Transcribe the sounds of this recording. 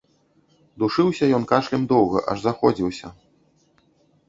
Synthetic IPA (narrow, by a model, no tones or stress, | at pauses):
d̪uʂɨwsʲɐjɔnkaʂlʲɛmd̪ɔwɣɐ̰ʔɐ̰ʐzaxɔd͡zʲiwsʲɐ